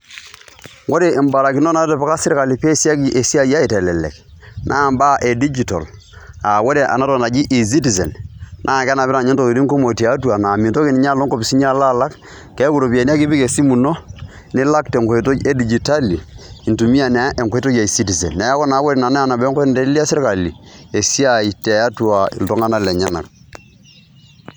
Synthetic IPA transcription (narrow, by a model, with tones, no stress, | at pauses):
wo˦ɾeː˨mba˨la˨ki˨˦no˦na˦tɛ˨pa˦ka˦sɪ˦ɾka˨li˨pe˦˨si˦a˦ki˦ʔe˨si˦a˦ja˦i˨tɛ˨lɛ˨lɛ̰˨knʔa˦˨mba˦ʔe˨di˦d͡ʒi˨to̰˨l | a˨wo˦ɾe˨ʔa̰˨na˦tɔ˨na˨d͡ʒi˦ʔi˨z̬i˦ti˨zɛ̰˨nnʔaː˦˨kɛ˦na˨bɪ˦ɾa˨ɲɛ˦ntɔ˨ki˨ɾi˦ŋko˦mo˨ti˨a˨˦twa˨na˨mi˨to˦ki˨ni˨ɲ˦a˦lo˦ŋkɔ˦pi˨si˦ɲ˦a˦la˦la˦k | kɛ˦ku˨ɾo˨pi˨a˨ni˦a˦kɪ˦bi˦ke˨si˦mu˨no˦ | nɪ˦la˦k̚tɛ˨ŋkɔ˨e˨to˦e˦di˨d͡ʒi˨ta˦liː˨ntu˨mi˦a˨na˨˦ʔe˨ŋko˦e˦to˦d͡ʒa˨i˨si˦ti˨zɛ˨nnɛ˨ja˦kɔ˦na˨˦wɔ˦ɾɛ˨na˨na˦a˨na˨bŋkɔ˦nde˦i˦li˦a˦sɪ˦ɾka˨li˨e˨si˦a˨i˨te˨a˦twa˨ḭ˨ltɔ˦ŋa˦na˦lɛ˨ɲa˦na̰˨k̚